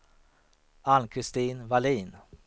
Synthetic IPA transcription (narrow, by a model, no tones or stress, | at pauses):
ankʰɾɪst̪iːnvaliːn